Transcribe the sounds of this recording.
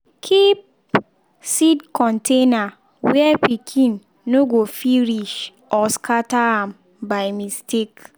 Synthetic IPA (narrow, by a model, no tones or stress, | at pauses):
kʰip̚ | sidkʰɔ̃ntʰena | wɛpikʰĩnː | oɡofiɾiʃ | ɔskʰataãm | baɪmistʰek